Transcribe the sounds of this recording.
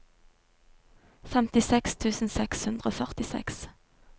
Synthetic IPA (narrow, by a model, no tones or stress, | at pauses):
fɛmt̪ɪsɛkst̪ʰʉːsn̩sɛkshʉnd̪ʁəoːfœʁt̪ɪsɛ̰ks